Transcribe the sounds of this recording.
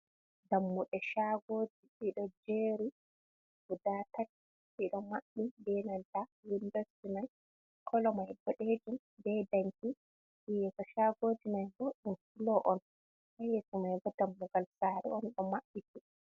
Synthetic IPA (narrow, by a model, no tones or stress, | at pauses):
damːuɗɛʃaɡoːd͡ʒiɗiɗɔd͡ʒeɾi | ɡudatat | ʔiɗɔmaɓːidɛnandaindɛstimaj | kʰɔlɔmajɡɔɗed͡ʒum | dɛdaŋki | ijɛsɔʃaɡoːd͡ʒimajbɔɗunkilɔʔɔn | hajɛsɔmajɡɔdamːuɡalsaːɾɛ̰ɔnɗɔmaɓːiti